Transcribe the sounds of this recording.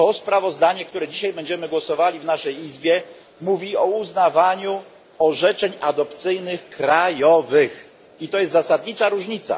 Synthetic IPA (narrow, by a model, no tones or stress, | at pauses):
t̪ɔspɾavɔzd̪aɲɛk̚t̪uɾɛd͡ʑiɕajbɛɲd͡ʑɛmɘɡwɔsɔvalʲivnaʂɛjizbʲjɛ | muvʲiɔuznavaɲu | ɔʐɛt͡ʂɛɲad̪ɔpt̪sɘjnɘxkɾajɔvɘx | it̪ɔjɛst̪zasad̪̚ɲit͡ʂaɾuʐɲit̪sa̰